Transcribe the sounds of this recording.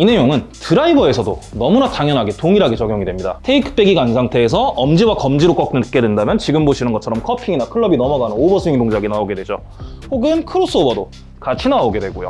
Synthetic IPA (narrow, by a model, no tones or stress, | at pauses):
ine̞joŋɯntɯɾaibʌe̞sʰʌdonʌmunataŋjʌnɦaɡe̞toŋiɾaɡe̞t͡ɕʌɡjoŋidwe̞mɲida̰tʰeikʰɯ̥p͈e̞ɡiɡansʰaŋtʰe̞ːs̬ʰʌʔʌmd͡ʑiwakʌmd͡ʑiɾok͈ʌk̚t͈ɯnɯk͈e̞dwendamjʌnt͡ɕiɡɯmboɕʰinɯnɡʌt͡ɕʰʌɾʌmkʰʌpʰiŋinakʰɯɭːʌbinʌmʌɡanɯnobʌsʰɯiŋdoŋd͡ʑaɡinaoɡe̞dwe̞d͡ʑo | hoɡɯnkʰɯɾos͈uobʌdo | kat͡ɕʰinaoɡe̞dwe̞ɡojo̰